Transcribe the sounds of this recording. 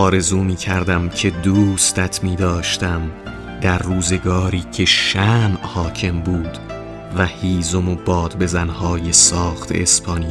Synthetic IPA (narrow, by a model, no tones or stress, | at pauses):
ɒːɾe̞zuːmiːkʰæɾd̪æmcʰe̞d̪uːst̪æt̪ʰmiːd̪ɒːʃt̪æm | d̪̥æɾːuːze̞ɡɒːɾiːcʰe̞ʃæːmʔhɒːcʰe̞mbuːd̪̥ | væhiːzomobɒːd̪̥be̞zænhɒːje̞sɒːχt̪ʰḛːspʰɒːnij